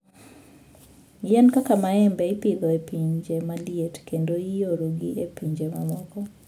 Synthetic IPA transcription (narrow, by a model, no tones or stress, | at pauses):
jɛnkakamaɛmbɛipiɡɔepiɲd͡ʒemalijetkendoijoɾoɡiʔepiɲd͡ʒemamɔɡɔ